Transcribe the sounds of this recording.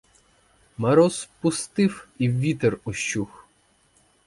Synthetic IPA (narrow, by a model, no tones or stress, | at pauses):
mɐɾɔspʊst̪ɪwiwːʲit̪erɔʃt͡ʃːux